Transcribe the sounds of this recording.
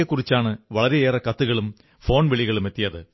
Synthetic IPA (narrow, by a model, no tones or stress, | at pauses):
ekːurit͡ɕːaːɳɨʋɐɭɐɾeeːrɐkɐt̪ːɯɣɐɭum | fo̞ːnʋeɭiɣɐɭumet̪ːijɐðɨ